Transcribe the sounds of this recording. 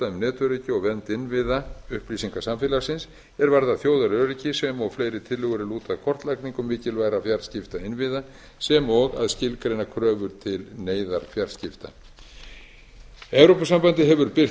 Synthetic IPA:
t̪aʏmnɛːt̪ʏɾicɪɔɣvɛnt̪ɪnvɪðaʏhpliːsiŋkḁsamfɪːlḁsɪns | ɛɾvaɾðaθjoːwðaɾœɾicɪsɛmɔɣfleːjɾɪt̪ʰɪlːʏɣʏɾɪluːt̪avkʰɔr̥t̪lajkniŋkʏmːɪːcɪlvaːjɾafjar̥scɪft̪aɪnvɪða | sɛmɔɣa̰ðscɪlkɾejnakʰɾœːvʏɾt̪ʰɪlneːjðaɾ̥fjaɾscɪft̪a̰ | ɛvɾowpasampant̪ɪɦɛvʏɾpɪ̥

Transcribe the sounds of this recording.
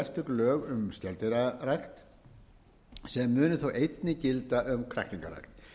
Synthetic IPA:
ɛst̪ʏklœːɣʏmst̪jɛlt̪ɪɾarajxt̪ | sɛmːʏːnʏθowʔejt̪nɪcɪlt̪aʔʏmkʰɾa̰kniŋka̰ra̰jxt̪

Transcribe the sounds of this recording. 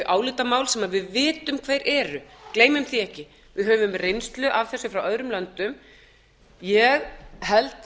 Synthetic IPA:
ʔaːwlɪːt̪amaːwlsɛmaðvɪðvɪːt̪ʏmkʰveːjɾʔɛːɾʏkleːjmʏmθiɛhcɪ | vɪðhœːvʏmrejnst̪lʏʔavθɛsːʏfɾawœðɾʏmlant̪ʏm | jɛɣhɛlt̪

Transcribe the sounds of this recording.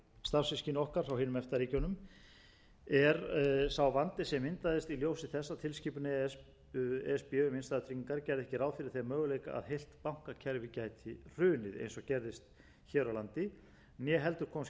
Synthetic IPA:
st̪aɾsɪscinɔhkaɾ̥θawheːnʏmɛft̪aɾiːcɔwnʏm | ɛɾsawvant̪ɪsɛmɪnt̪aðɪst̪iljowsɪθɛsːat̪ʰɪlsciːpʏnɪ | ɛspːʏmɪnst̪aːðt̪ʰɾicɪŋkaɾcɛɾðɛhcɪɾaːwfɪɾɪɾ̥θemœːɣʏlejka̰ʔa̰ðhejl̥t̪pawŋ̥kacʰɛɾvɪcaːjt̪ʰɪr̥ʏːnɪðḛjnsɔɣcɛɾðɪst̪ | çɛːɾawlant̪ɪ | njɛɦɛl̪t̪ʏɾ̥kʰɔːms

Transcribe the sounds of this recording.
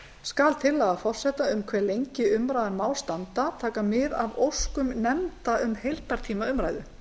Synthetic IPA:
skalt̪ʰɪlːaːɣafɔr̥sɛht̪aʏmkʰvɛɾlejɲcɪʏmɾaːjðaɾmaːwlst̪ant̪at̪ʰaːkamɪðavowskʏmnɛmt̪aʏmhejl̥p̪aɾ̥t̪ʰiːmaʏmɾaːjðʏ

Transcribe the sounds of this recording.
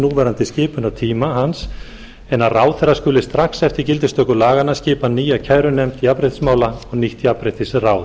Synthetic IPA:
nuːvɛɾant̪ɪscɪːpʏnat̪ʰiːmaɦans | ɛnaraːwθɛɾaskʏːlɪst̪ɾaxsɛft̪ɪɾcɪlt̪ɪst̪œkʏlaːɣanːascɪːpaniːjacʰajɾʏnɛm̥t̪iapɾɪht̪smaːwlaɔɣniht̪iapɾɪht̪ɪsraːw

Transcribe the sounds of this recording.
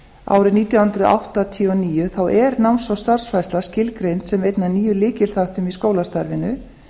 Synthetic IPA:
a̰ːwɾɪniːt̪jawhʏnt̪ɾʏa̰wht̪at̪ʰiɔniːjʏθawʔɛɾnawnsvawst̪ar̥sfajst̪lascɪlkɾejnt̪sɛmejt̪naniːjʏlɪːcɪl̥θaht̪ʏmiskoːwlast̪aɾvɪnʏ

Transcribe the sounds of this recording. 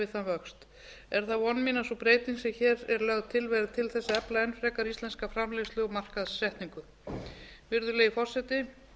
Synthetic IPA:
ɪθanvœkst̪ | ɛɾ̥θaɔnːmiːnasɔpɾeːjt̪insɪçɛːɾɛɾlœɣðt̪ʰɪlvɛːɾðt̪ʰɪlθɛsːaɛplaɛnfɾɛːkaɾist̪ɛnskafɾamlɛslʏːɣmar̥kaðːɛht̪niŋkʏ | vɪɾðʏleːjɪfɔr̥sɛt̪ɪ

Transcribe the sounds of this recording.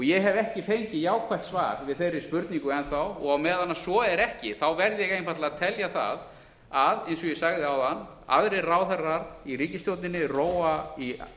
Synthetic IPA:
ɔjɛɦɛvɛhcɪfejɲcɪjaːwkʰvaht̪sva̰ːɾ̥vɪðθejɾɪɾspʏɾt̪niŋkʏɛnθawɔɣawmɛːðanːasvɔɛɾɛhcɪθawvɛɾðɪjɛɣejnfat̪laaðt̪ʰɛljaθa̰ð | aðejnsɔjɛsaɣðɪawðanː | a̰ðɾɪraːwθɛrːaɾðiriːcɪst̪jowt̪nɪnːɪroːwai

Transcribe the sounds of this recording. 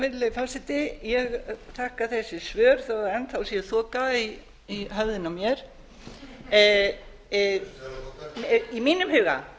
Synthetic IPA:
vɪɾlefawsɪt̪ɪjɛɣθʰahkaθɛsːɪsvœːɾ̥θaðaɛnt̪θawsjɛθɔːkai | iɦœvðɪnamjɛɾ̥ | imiːnʏmhɪɣa̰

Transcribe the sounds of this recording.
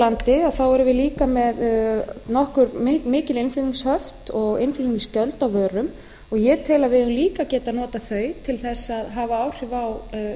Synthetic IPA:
lant̪ɪaθawɛɾʏvɪliːkamɛðnɔhkʏɾmmɪːcɪlɪnfʏiŋshœft̪ɔɣenfʏiniscœlt̪awvœːɾʏm | ɔɣjɛt̪ʰɪlavɪʏmliːkacɛːt̪anɔːt̪aθœːɥt̪ʰɪlθɛsːaðɦavaaːwr̥ɪvaw

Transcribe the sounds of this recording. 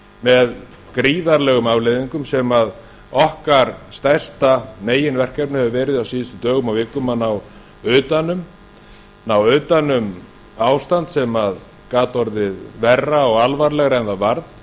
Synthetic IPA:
mɛð | kɾiːðaɾlɛːɣʏmavleðiŋkʏmsɛmað | ɔhkaɾ̥st̪ajr̥st̪aneːjɪnvɛr̥kɛpnʏhɛvʏvɛːɾɪðawsiːðɪst̪ʏt̪œːɣʏmawvɪkːʏmanaw | ʏːt̪anʏm | nawʏːt̪anʏm | aːwst̪ant̪sɛmað | kaːt̪ɔɾðɪðvɛrːaɔɣalvaɾlɛɣɾaɛnðavaɾt̪n̥

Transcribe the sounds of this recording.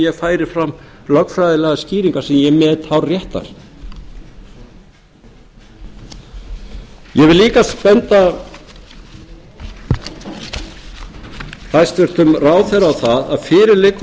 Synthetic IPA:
jɛɣfaːjɾɪɾ̥fɾamːlœkfɾajðɪlɛɣasciːɾiŋkaɾ̥sɛmjɛmɛt̪hawrjɛht̪a̰ɾ̥ | jɛvɪlliːkaspɛnt̪a | hajst̪vɛɾ̥t̪ʏmraːwθɛɾawθaða̰ðfɪːɾɪɾlɪk

